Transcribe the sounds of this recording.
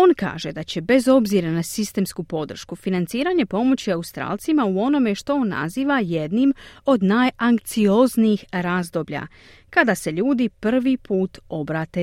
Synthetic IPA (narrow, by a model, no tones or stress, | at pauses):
o̞nka̰ːʒe̞d̪at͡ɕe̞be̞zo̞bziɾanasist̪e̞mskupo̞d̪r̩ʃkufinant̪siːɾaɲe̞po̞mo̞t͡ɕiaust̪ɾa̰ːlt̪simauo̞no̞meʃt̪o̞onːa̰ziːʋaje̞d̪nimo̞d̪naːjaŋk̚t̪sio̞zniːxɾaːzd̪o̞ːbʎa̰ | kad̪ase̞ʎuːd̪ipr̩ʋipʰuːt̪o̞bɾaːt̪e